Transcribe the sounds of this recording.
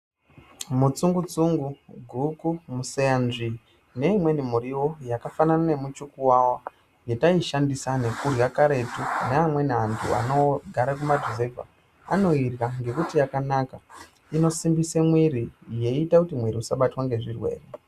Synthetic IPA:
mut͡suŋɡut͡suŋɡuɡʱukumusejanʐi | ne̞imwe̞nimuɾiwo̞jakafananane̞mut͡ʃukuwawa | ŋɡe̞taiʃandisane̞kurjakaɾe̞tuneamwe̞neantʰṵa̰no̞ɡʱaɾak̬umadʱize̞vʱa̰ | ano̞irɣaŋɡe̞kutijakanaka | ino̞simbisemwiɾije̞itakutimwiɾiusaɓatwaŋɡe̞ʐirwe̞̰ːre

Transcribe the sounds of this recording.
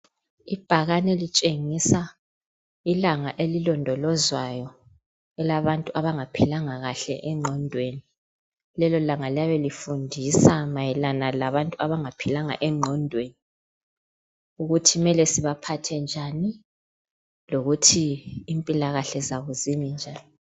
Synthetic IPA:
ib̥ʱaɣanɛlit͡ʃʼeŋisa | ilaŋaʔelilɔndʱɔlɔzwajɔ | ɛlaβantʼuaβaŋapʰilaŋaɣaɬɛ̰ʔɛŋ͡ǀʱɔndʱweni | lɛlɔlaŋaljaβɛlifundʱisamajɛlanalaβantʼuaβaŋapʰilaŋa̰ʔɛŋ͡ǀʱɔndʱweni | uɣutʰimɛlɛsiβapʰatʰɛnd͡ʒʱani | loɣutʰiːmpʼilaɣaɬɛzaɣuzimind͡ʒʱaːni

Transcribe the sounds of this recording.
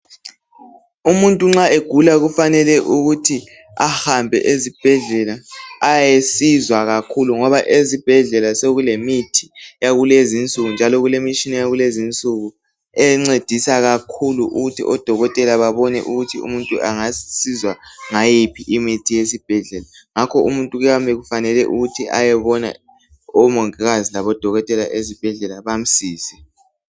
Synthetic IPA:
umuntʼuŋ͡ǁaeɡ̥ʱulaɣufanɛlɛʔuɣutʰi | ahambʱɛ̰ʔezib̥ʱɛɮɛlaːjjesizwaɣakʰuluŋɔβaʔezib̥ʱɛɮɛlaseɣulemitʰi̥jaɣulezint͡sʼuɣund͡ʒʱalɔɣulemit͡ʃinɛjaɣulezint͡sʼuɣu | ɛŋ͡ǀed̥ʱisaɣakʰuluʔuɣutʰiʔɔd̥ʱɔɣɔtʼɛlaβaβɔnɛ̰ʔuɣutʰiṵmuntʼuʔaŋasizwaŋajipʰiʔimitʰijesib̥ʱɛɮɛla | ŋakʰɔumuntʼuɣujambeɣufanɛlɛʔuɣutʰiʔa̰jɛβɔna̰ | ɔmɔŋɛɣazilaβɔd̥ʱɔɣɔtʼɛlaʔezib̥ʱɛɮɛlaβam̩siːsɛ̥

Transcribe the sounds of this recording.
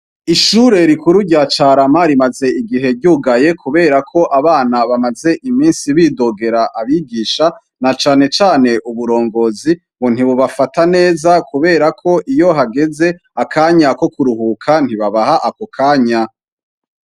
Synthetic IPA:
iʃuɾe̞ɾikuɾuɟat͡ʃaɾamaɾimaze̞iɡiɦe̞ɾɟuːɡaje̞kuβe̞ːɾakʰo̞ʔaβaːnaβamaze̞ʔimiːnsiβiːdo̞ɡe̞ɾaʔaβiɡiːʃa | nat͡ʃaːne̞t͡ʃaːne̞ʔuβuɾo̞ːŋɡo̞zi | mun̥iβuβafatane̞ːzakuβe̞ːɾakʰo̞ʔijo̞ɦaɡe̞ze̞ | akʰaːɲako̞kuɾuhukʰan̥hiβaβaɦaʔakokʰaːɲa

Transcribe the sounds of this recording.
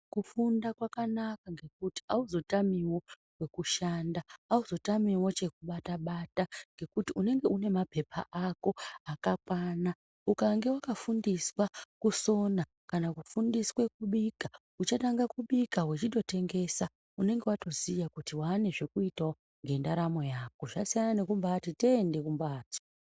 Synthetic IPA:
kufundakwakanakaŋɡe̞k̚uti̥auzo̞tamiwo̞ | we̞kuʃandaːuzo̞tamiwo̞t͡ʃe̞kuɓataɓataŋɡe̞kutiune̞ŋɡe̞ʔune̞mape̞pʰa̰ʔako̞akakwaːna | ukaŋɡe̞wakafundiswakuso̞na | kanakufundiskwe̞k̚uɓika | ut͡ʃataŋɡakuɓikawet͡ʃiɗo̞te̞ŋɡe̞sa | une̞ŋɡe̞wato̞zijakutiwane̞ʐe̞kuitao | ŋɡe̞ndaɾamo̞jako̞ʐasijanane̞kumbatiteːnde̞kumbaːto̥

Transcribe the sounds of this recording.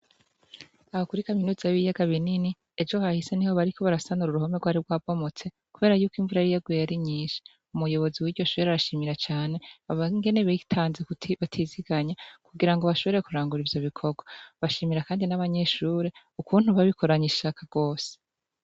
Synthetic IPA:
aho̞kuɾikaminuːzajβijaɡaβinini | ed͡ʒo̞hahiseniho̞βaɾikʰo̞βaɾasanuɾuɾuho̞meɡwaːɾiɾɡwaːbo̞mot͡se̞ | kuβe̞ːɾajuːkiɱvuɾajijaɡwejaɾiɲiːʃi̥ | umujo̞βo̞ziwiɟo̞ʃuːɾeaɾaʃiːmiɾat͡ʃaːne̞aβaŋɡe̞neβetʰaːnzeβatʰiziɡaɲakuɡiɾaŋɡo̞βaʃo̞βeɾekuɾaːŋɡuɾivjo̞βikʰo̞ɡwaβaʃiːmiɾakaːndinaβaɲe̞ʃuːɾe | ukuːn̥huβaβikʰo̞ɾaɲiʃakaɡ̥o̞ːse̥

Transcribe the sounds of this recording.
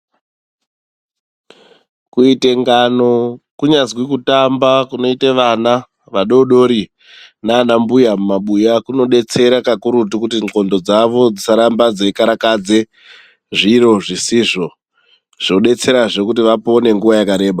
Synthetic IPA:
kuite̞ŋɡano̞kuɲazwikutambakuno̞iteʋana | ʋaɗo̞ɗo̞ɾi | naːnambujamumaɓujakuno̞ɗe̞t͡se̞ɾakakuɾut̬ikutio̞ndo̞d͡zaʋo̞d͡zisaɾambad͡zekaɾakad͡ze̞ | ʐiɾo̞ʐisiʐo̞ | ʐ̥noɗe̞t͡se̞ɾaʐe̞kutiʋapo̞ne̞ŋɡuʋajakaɾe̞ːɓa

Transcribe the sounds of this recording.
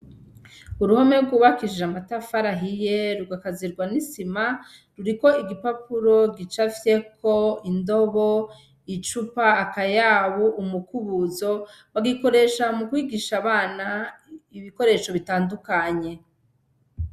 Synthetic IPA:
uɾuhome̞ɡuːβakiʒeamatafaɾaɦijeɾuɡakaziɾɡwanisima | ɾuɾiko̞iɡipapuɾo̞ɡit͡ʃafje̞kʰoindo̞βo | it͡ʃupaːkajaβuʔumukuβuzo̞ | βaɡiko̞ɾe̞ʃamukwiːɡiʃaβaːnaiβiko̞ɾe̞ʃo̞βitaːndukaɲe̞

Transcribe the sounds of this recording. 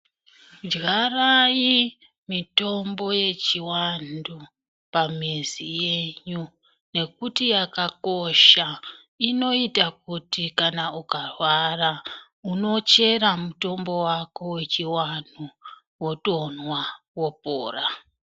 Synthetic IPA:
d͡ʒɣaraji | mito̞mbo̞je̞t͡ʃiwandu | pamezije̞ɲu | ne̞kutijakako̞ʃa | ino̞itak̚utikanaukarwara | uno̞t͡ʃe̞ɾamuto̞mbo̞wako̞we̞t͡ʃiwanu | wo̞to̞nwa | wo̞po̰ːra

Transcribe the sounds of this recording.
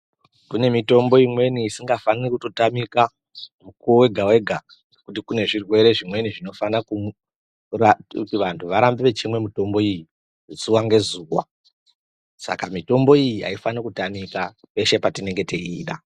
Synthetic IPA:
kune̞mito̞mbo̞imwe̞niːsiŋɡafanirekuto̞tamika | mukuowe̞ɡʱawe̞ɡʱa | ŋɡekutikune̞ʐirwe̞ɾe̞ʐimwe̞niʐino̞fanaku | rautiʋantʰuʋaɾambiʋe̞t͡ʃimwe̞mito̞mbo̞iji | zuwaŋɡe̞zuːwa̰ | sa̰kamito̞mbo̞ijiɦa̰ifanakutamika | e̞ʃe̞patine̞ŋɡe̞teḭːɗa

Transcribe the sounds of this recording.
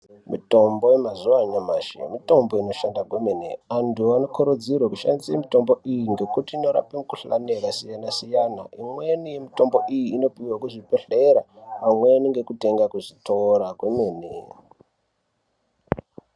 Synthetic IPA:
mḭto̞mbojemazuwaɲamaʃḛmito̞mbo̞ino̞ʃandakwemeneantuano̞kʰuɾod͡zirwakuʃa̰ndisemito̞mbo̞ʔijiŋɡe̞kutiːno̞ɾa̰pemukuɬa̰neɾasijanasijanaʔimwe̞nije̞mito̞mbo̞ʔijiːno̞piwakuʐipeɬeɾapamweniŋɡe̞kute̞ŋɡakuʐitʰoɾakwemeːnḛ

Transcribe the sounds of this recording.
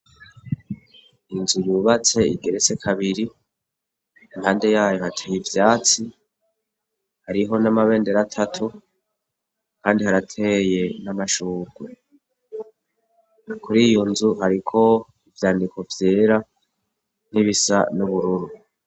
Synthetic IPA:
inzujuːβat͡se̞ḭɡe̞ɾet͡se̞kʰaβiɾi | inhaːnde̞jaːjo̞hatʰejivjaːt͡si | haɾiɦo̞namaβe̞ːnde̞ɾatʰatʰu | kaːndihaɾatʰe̞je̞namaʃuːɡ̥we | kuɾiːjo̞nzuɦaɾikʰo̞ | ivjaːndiko̞vjeːɾa | niβisa̰nuβuɾuɾu

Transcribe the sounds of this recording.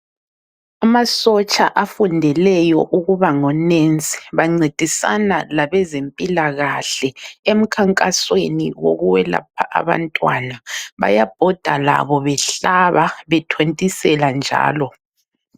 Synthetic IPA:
amasɔt͡ʃʼaʔafundʱɛlɛjɔʔuɣuβaŋɔnent͡sʼi̥βaŋ͡ǀed̥ʱisa̰nalaβɛzempʼilaɣaɬɛem̩kʰaŋkʼasweniwo̰ɣuwɛla̰p̚ʰaʔa̰βa̰ntʼwa̰naβa̰jab̥ʱɔd̥ʱala̰βɔβɛɬaβaβɛtʰwentʼisɛland͡ʒʱa̰ːlɔ

